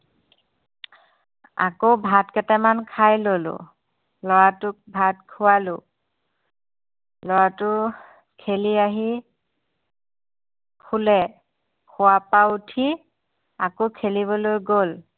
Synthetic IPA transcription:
a̰kowbʱatkɛtɛmankʰajlolʊ̰ | lɔɹatʊk̚bʱatkʰʊwalʊ | lɔɹatʊ | kʰeliaɦi | kʰulɛ | kʰʊwapautʰi | akokʰeliβɔlojɡol

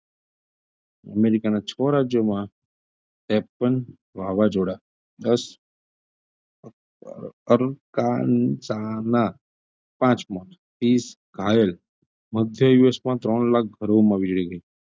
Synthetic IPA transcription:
ə̰meɾikanat͡ʃʰɔɾad͡ʒjəmã | t̪ɛpən | ʋaʋad͡ʒoɽa | d̪əs | əɾkansana | pãt͡ʃmɔt̪ | t̪is | ɡʱajəl | məd̪ʱjəjuesmãt̪ɾɔɳlak̚ɡʱəɾomãʋid͡ʒɭiɡəi

